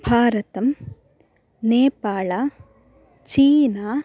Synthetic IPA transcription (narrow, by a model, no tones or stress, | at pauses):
b̥ʱaːɾɐt̪ɐm | neːpaːɭaː | t͡ʃiːnaː